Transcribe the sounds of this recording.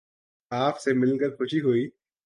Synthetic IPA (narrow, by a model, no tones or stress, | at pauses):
aːpʰsemɪlkɐɾxʊʃiɦuiː